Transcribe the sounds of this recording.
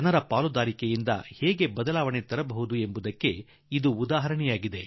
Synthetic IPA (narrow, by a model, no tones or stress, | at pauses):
ɐnɐɾɐpaːlud̪aːɾikejind̪ɐ̰heːɡe̞bɐd̪ɐlaːʋɐɳe̞t̪ɐɾɐbɐɦud̪ue̞mbud̪ɐkːe̞ | id̪uːd̪aːɦɐɾɐɳɛjaːɡid̪e̞